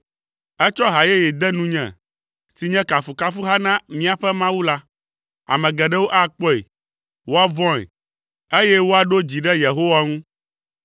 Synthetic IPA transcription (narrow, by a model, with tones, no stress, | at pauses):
ɛ˦t͡ʃɔ˦ɦa˨je˦jɛ˨d̪ɛ˦nũ˦ɲɛ̰̃˨ | si˨ɲɛ̃˦ka˨fu˨ka˦fu˦ɦa˦nã˦mĩ˦a˨ɸɛ˦mã˦wu˦la˦ | a̰˨mɛ̃˨ɡɛ˨ɖɛ˦wo˦ʔa˦k͡pɔ˦ḛ˨ | wo˦a˦vɔ̃˦ḛ˨ | e˦jɛ˦wo˦a˨ɖo˦d͡ʑi˨ɖɛ˦je˨ɦo˦wa˦ŋũ˦